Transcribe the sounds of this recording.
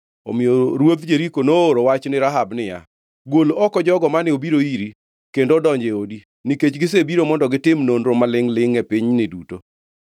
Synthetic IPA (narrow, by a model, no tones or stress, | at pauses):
o̰mɪjoɾwod̪d͡ʒeɾikonooɾowat͡ʃnɪɾaɦabnɪja̰ | ɡwolɔkɔd͡ʒɔɡɔmanɪobiɾoiɾi | kendodɔɲd͡ʒeodi | niket͡ʃɡɪsebiɾomɔndɔɡɪtɪmnondɾomalɪŋlɪŋɛpɪɲnɪduto